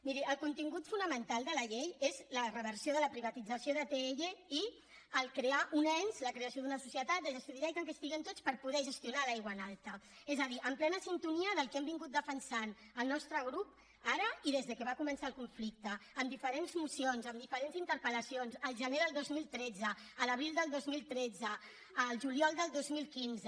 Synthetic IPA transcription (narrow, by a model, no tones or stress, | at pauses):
miɾiəlˠkunt̪iŋɡut̪funəmənt̪alˠd̪ələʎejezlərəβəɾsioðələpɾiβat̪id͡zəsioðət̪eːʒei | əlˠkɾeaʔunɛnzləkɾeəsjoðunəsusiət̪at̪̚əəst̪uðiajk̪əŋkəst̪iɣənt̪ot͡spəɾpuðɛʒəst̪junalajɣwanalˠt̪əezəðiʔəmplɛnəsint̪uniəðəlˠkɛmbiŋɡut̪̚d̪əfənsan | əlˠnɔst̪ɾəɣ̞ɾup̚ | aɾəiðezðəkəβakumənsaəlˠkuɱflik̚t̪əːmd̪ifəɾenzmusionzəmd̪ifəɾenzint̪əɾpələsionzəlˠʒəneðəlˠd̪ozmilˠt̪ɾɛd͡zəːləβɾilˠd̪əlˠd̪ozmilˠt̪ɾɛd͡zəː | lˠʒuliɔlˠd̪əlˠd̪ozmilˠkinz